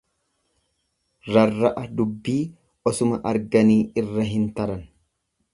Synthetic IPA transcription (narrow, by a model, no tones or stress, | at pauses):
ɾɐrːɐʔɐd̪ʊbːiː | ɔsʊmɐʔɐɾɡɐniːɪrːɐɦɪnt̪ɐɾɐn